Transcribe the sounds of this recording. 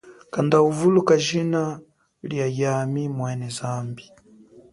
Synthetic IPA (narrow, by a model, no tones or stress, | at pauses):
kandauvulukaʒina | ljajamimwɛnɛzambi